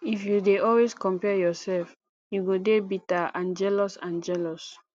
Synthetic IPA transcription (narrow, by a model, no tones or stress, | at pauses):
ifjudeɔlweskɔ̃mpɛjɔsɛlf | juɡodebitaãnd͡ʒɛlɔsãnd͡ʒɛlɔs